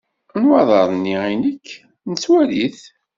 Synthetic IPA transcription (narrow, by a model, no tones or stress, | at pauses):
nwɑðˤɑɾˤnːiinəkː | nət͡sːwæliθ